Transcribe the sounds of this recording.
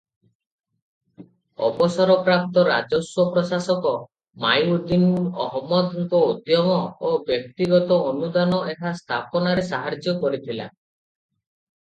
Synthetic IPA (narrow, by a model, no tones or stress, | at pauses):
ɔ̰bɔsɔɾɔpɾap̚t̪ɔɾa̰d͡ʒɔswɔpɾɔsasɔkɔ | majud̪inɔɦɔmːɔd̪ɦukɔod̪ʱjɔmɔobjɔk̚t̪iɡɔt̪ɔːnud̪anɔʔeɦast̪ʰapɔnaɾesaɦaɾd͡ʒjɔkɔɾit̪ʰila̰